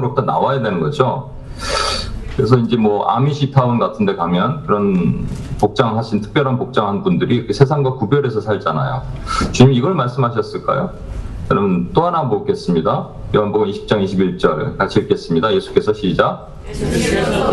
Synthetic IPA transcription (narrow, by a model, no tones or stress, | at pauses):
ɾop̚t͈ʰʌna̰wajadwe̞nɯnɡʌd͡ʑo | kɯɾe̞s̬ʰʌind͡ʑe̞mwʌʔa̰miɕʰitʰaunɡatʰɯnde̞kamjʌnkɯɾʌnpok̚t͡ɕ͈aŋɯɭhaɕʰintʰɯ̥k̚pjʌɾanpok̚t͡ɕ͈aŋɦannbundɯɾisʰes̬ʰaŋɡwakubjʌɾe̞sʰʌsʰaɭd͡ʑana̰jo̰t͡ɕuɲimiiɡʌɭmaɭs͈ɯmɦaɕ̬ʰʌs͈ɯɭk͈a̰jo | jʌnamʌnt͈oɦanɦambok͈e̞s͈ɯmɲida | joanboɡɯniɕʰi̥p̚t͡ɕ͈aŋiɕʰibiɭt͡ɕ͈ʌɭkat͡ɕʰiɯk͈e̞s͈ɯmɲidaje̞sʰu̥k͈e̞sʰʌɕʰid͡ʑa